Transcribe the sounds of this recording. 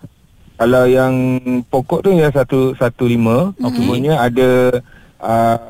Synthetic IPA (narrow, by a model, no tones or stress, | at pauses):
kalawjaŋpokɔʔt̪ujas̬at̪usat̪ulimə̃osumuɲəada | ə